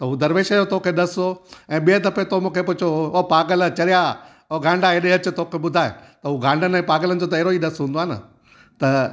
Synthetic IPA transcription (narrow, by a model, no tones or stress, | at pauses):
t̪ɐɦud̪ɐɾʋeːʃəjot̪ʰokʰeɗɐsoɛ̃ːɓijəd̪ɐpet̪ʰomũːkʰepʊt͡ɕʰooːpaːɡəlt͡ɕɐɾija | oːɡʱãːɳɖaeɗẽɐt͡ɕʊ̆t̪okʰeɓʊd̪ʱaːḛ̃t̪ɐɦuɡʱãːɳɖənɛ̃ːpaːɡələnd̪ot̪̬ɐɦeːɾoiːɗɐsɦũːnd̪oaːnɐ̰ | t̪ɐ